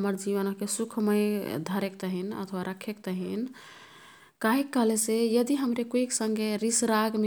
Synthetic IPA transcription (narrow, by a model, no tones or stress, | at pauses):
məɾd͡ʒiʋənəkesukʰməjd̪ʱəɾekt̪əɦinə̰t̪ʰwaɾʔəkʰekt̪əɦin | kaɦikːəɦlesejəd̪iɦəmɾekoiksə̃ŋɡʱeɾisɾaɡme